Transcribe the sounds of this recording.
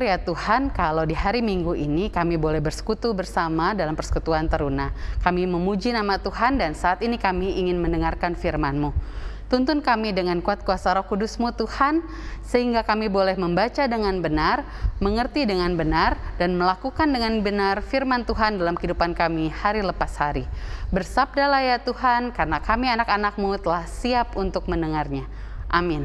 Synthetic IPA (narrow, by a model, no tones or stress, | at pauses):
ɾjat̪uhankalawdiɦaɾimiŋɡuʔinikamibolɛhbərsə̥kut̪ubərsamadalampərsə̥kut̪uant̪əɾunakamiməmud͡ʒinamat̪uɦandansaːt̪inikamiːŋɪnməndəŋarkanfirmanmut̪unt̪ʊnkamidəŋankuat̪̚kuasaɾɔhkudusmut̪uhan | səhiŋɡakamibolɛhməmbat͡ʃadəŋanbənar | məŋərt̪idəŋanbənardanməlakukandəŋanbənarfirmant̪uɦandalamkəidupankamihaɾiləpashaɾibərsab̚dalahjat̪uhankarənakamianakanak̚mut̪əlahsiapunt̪ʊk̚məndəŋarɲa | ʔamɪn